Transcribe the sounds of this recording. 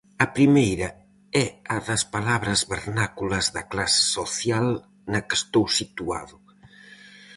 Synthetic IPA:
ɐpɾimejɾɐ | ɛɐðɐspalaβɾɐzβeɾnakulɐzðɐklasɪ̥soθjal | nɐkest̪owsit̪ua̰ðʊ

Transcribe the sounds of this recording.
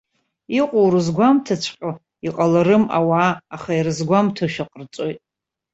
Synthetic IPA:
iqʷʼowɾɨzɡʷamtʰat͡ʃʷʰqʲʼa | iqʼalaɾɨma̰waːχairɨzɡʷamtʰoʃᶣaqʼərt͡sʼojtʼ

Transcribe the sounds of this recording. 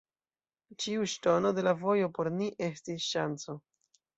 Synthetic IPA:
t͡ʃiuʃto̞no̞de̞lavojo̞po̞ɾniʔe̞stisʃant͡so

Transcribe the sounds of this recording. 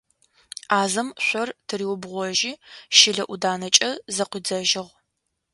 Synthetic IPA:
aːzɐmɕʷɔrtʰɨriːwʊbʁʷɔʒiːʃɪɮɐʔudaːnɐt͡ʃʼɐzɐqʷiːd͡zɐʒɪʁ

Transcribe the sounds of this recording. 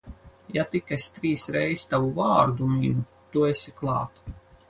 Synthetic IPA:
jat̪ikasʲt̪ɾiːsɾɛjst̪avuvaːɾd̪uminu | t̪uesʲiklˠɑ̰ːt̪

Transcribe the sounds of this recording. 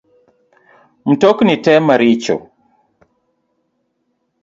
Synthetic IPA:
m̩tɔknitɛmaɾit͡ʃɔ̰

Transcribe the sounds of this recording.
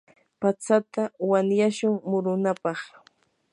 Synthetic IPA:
pat͡sat̪awanjaʃʊŋmʊɾʊnapɑχ

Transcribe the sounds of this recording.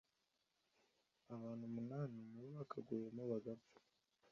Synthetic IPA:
aβaːn̤̥humunaːninuββakʰaɡujemuβaɡafu̥

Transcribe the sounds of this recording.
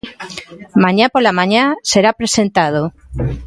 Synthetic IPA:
mãɲapolamãɲaseɾapɾesent̪aðo

